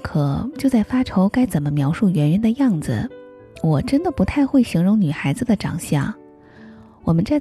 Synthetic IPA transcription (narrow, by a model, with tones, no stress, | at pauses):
kʰɤ˨˩t͡ɕjo˥˧ʊt͡sa˥˩ɪfa˥ʈ͡ʂʰo˧˥ʊka˥ɪt͡sə˨˩nmə˦mjɑ˧˥ʊʂu˥˩ɥɛ˧˥nɥɛ˧˥nd̪ə˧jɑ˥˩ŋd͡zɹ̩̰˨˩ | wɔ˨˩ʈ͡ʂə˥nd̪ə˨pu˧˥t̪ʰa˥˧ɪxwe˥˩ɪɕi˧˥ŋɻʊ˧˥ŋny˨˩xa˧˥ɪd͡zɹ̩˧d̪ə˩ʈ͡ʂɑ̰˨˩ŋɕjɑ̰˥˩ | wɔ˨˩mə˦nt͡sa˥˩